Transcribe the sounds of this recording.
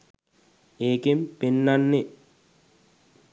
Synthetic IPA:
eːkimpenːanːe

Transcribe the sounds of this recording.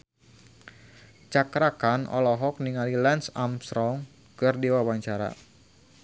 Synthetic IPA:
t͡ʃakɾakanʔɔ̰lɔɦɔk̚niŋalilɛnsamsɾɔŋ | kɨrdiwawaɲt͡ʃaɾa̰

